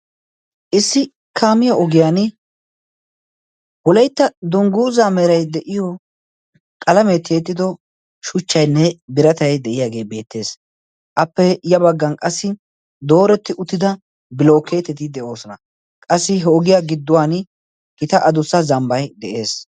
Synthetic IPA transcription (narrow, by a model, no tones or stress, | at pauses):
ʔɪsːɪ | kʰaːmɪjaɔɡɪjaːn | wɔlɐjt̪ːɐd̪ʊŋɡuːzaːmɛɾɐjd̪ɛʔɪjɔ | kʼɐlɐmet̪ʰːeːt̪ːɪd̪ɔ | ʃʊt͡ʃːɐjnːɛbɪɾɐt̪ɐjd̪ɛʔɪjaːɡe̞ːbe̞ːt̪ːe̞ːs | ʔɐpːɛjɐbɐɡːɐnkʼɐsːɪ | d̪o̞ːɾɛt̪ːɪʔʊt̪ːɪd̪ɐ | bɪlo̞ːkːe̞ːt̪ːɛt̪ɪd̪ɛʔo̞ːsɔnɐ | kʼɐsːɪɦɛɔɡɪjaːɡɪd̪ːʊwaːn | ɡɪt̪ɐʔɐd̪ʊsɐzɐmbɐjd̪ɛʔe̞ːs